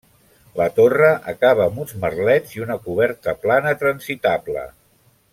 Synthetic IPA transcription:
lət̪orəʔəkaβəːmunzmərlɛd͡ziunəkuβ̞ɛɾt̪əplanət̪ɾənzit̪ablə̰

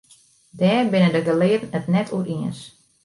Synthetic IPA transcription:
dɛːrbɪnədəɡəlɪətən̩ətnɛtʰuəɾiəns

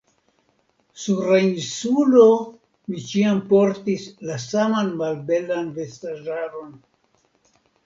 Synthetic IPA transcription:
suɾainsulo̞ | mit͡ʃiampoɾtislasamanmalbe̞lanve̞staʒaɾo̞n

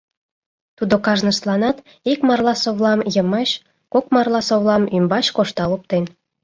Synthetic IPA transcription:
t̪ud̪okɑʒnəʃlˠɑnɑt̪ | ikmɑrlˠɑsoβlɑmjəmɑɕ | kokmɑrlˠɑsoβlˠɑmymbɑɕkoʃt̪ɑlup̚t̪en

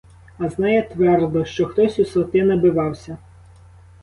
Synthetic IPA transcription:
ɐznɑjɛt̪ʋɛrd̪ɔʃt͡ʃɔxt̪ɔsʲusɔt̪ɪnɐbɪʋɑwsʲɐ

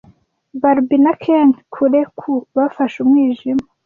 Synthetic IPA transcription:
baɾbinakʰeŋkʰuɾekʰuβafaʃumŋiːʒima

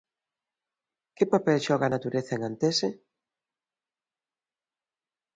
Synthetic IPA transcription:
kɪpapɛlʃɔɣanat̪uɾeθaeŋant̪ese

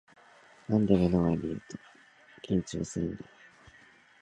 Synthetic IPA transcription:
nãnd̪emonoβaɾʲiɯt̪o̥ | kʲʰĩɲ̟t͡ɕo̰ːsɨnd̪e

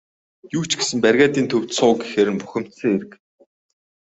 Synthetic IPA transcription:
juːt͡ɕɡesɘ̆mpærɣʲaːt̪iːnt̪ʰɵw̥t̪sʊːɡexeːɾɘ̆mpuxʲɪ̆m̥t̪sɘ̆ŋeɾɘ̆k

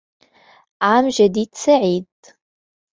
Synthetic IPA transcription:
amʒɐdit͡sʰɐʕiːd̚

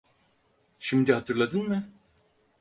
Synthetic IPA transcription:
ʃimd̪ihat̪ʰɯɾlˠad̪ɯnmɯ

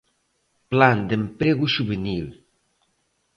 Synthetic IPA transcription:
pland̪empɾeɣuʒuβenil

